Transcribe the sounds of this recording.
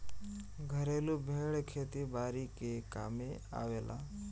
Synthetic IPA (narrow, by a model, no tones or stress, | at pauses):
ɡʱəɾeːlubʱeːɽkʰeːt̪ibaːɾikeka̰ːmẽa̰ːʋeːlʔa̰ː